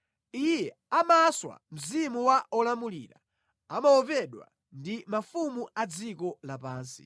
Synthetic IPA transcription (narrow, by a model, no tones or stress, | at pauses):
ijɛ | amaswa̰m̩zimuwaʔɔlamuliːɾa̰ | amaɔvɛɗwa̰ | ndimafumuʔad͡zikɔlapaːnsi̥̰